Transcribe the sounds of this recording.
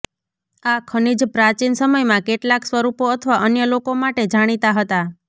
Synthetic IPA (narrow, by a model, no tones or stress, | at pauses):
akʰənid͡ʒpɾat͡ʃinsəməjmãkeʈlaksʋəɾupoət̪ʰəʋaʔənjəlokomaʈed͡ʒaɽ̃it̪aɦət̪a